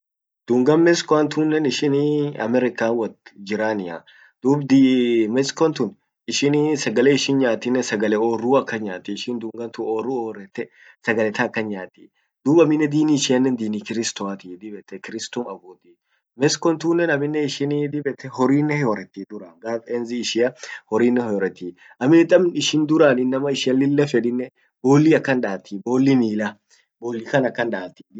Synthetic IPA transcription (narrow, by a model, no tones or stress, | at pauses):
d̪̥uːŋɡɐnmɛskɔɐnt̪uːnːɛnɪʃɪniɐ̰mɛɾɪkaːnwɐd͡ʒɪɾaːnɪa̰ | d̪̥uːbd̪imɛskɔnt̪ʊn | ɪʃɪnisɐɡɐleːɪʃɪnɲaːt̪ːɪnːɛsɐɡɐlɛoːrːuːɐkːɐnɲaːt̪ːiʃɪnd̪uːŋɡɐnt̪ʊoːrːuoːɾɛt̪ːɛ | sɐɡɐlɛt̪ɐːkːɐnɲaːt̪ːḭː | d̪̥uːbɐmɪnːɛd̪iːniʃɪjɐnːɛnd̪iːnikɪɾɪst̪ɔɐt̪id̪ɪbɛt̪ːɛkɪɾɪst̪ɔmɐboːt̪i | mɛskɔnt̪uːnːɛnɐmɪnːɛɪʃɪnid̪ɪbɛt̪ʰːɛhɔɾiːnːɛhɔɾɛt̪ːiːd̪ʊɾɐŋɡaːfɛnziːʃɪɐhɔɾiːnːɛhɔɾɛt̪ːiː | ʔɐmɪnt̪ʼɐmnɪʃɪnd̪ʊɾanɪnːɐmɐɪʃɪɐlːɪlːɛfɛᶑɪnːɛ | boːlːiːɐkːɐnᶑaːt̪ʰːiboːlːiniːlɐ | boːlːikɐnɐkːɐnᶑaːt̪ːi̥